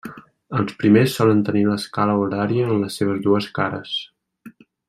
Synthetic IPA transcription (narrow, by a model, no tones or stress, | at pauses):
əlˠspɾimesːɔlənt̪əniləskaləuɾaɾiəːnləsːeβ̞əzðuəskaɾə̰s